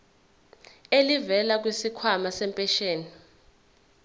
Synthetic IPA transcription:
elivɛlak̬wisikʰwamasɛmpʼɛʃeːni

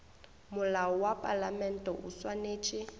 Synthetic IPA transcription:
mʊlaɔwapʼalamɛn̩tʼɔʔṵswaneːt͡ʃʼɪ

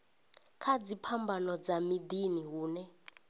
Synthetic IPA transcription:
kʰad͡zipʰambanɔd͡zamid̪iniɦuːnɛ

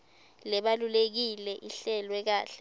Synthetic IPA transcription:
lɛɓalulek̬ilɛʔiɬɛlwɛk̬aːɬɛ

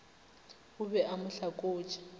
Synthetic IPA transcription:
ʊbɛʔamʊɬakʼoːt͡ʃʰʼḁ

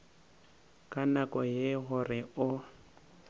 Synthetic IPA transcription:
kʼanakʼɔjeɣʊrɪʊ

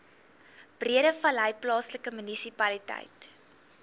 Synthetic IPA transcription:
b̥riəɾəfɐlɦəjplɑːsləkəmynisipɐlitɛ̰jt

